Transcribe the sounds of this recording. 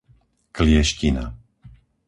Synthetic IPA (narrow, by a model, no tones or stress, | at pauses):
klɪɛʃcina̰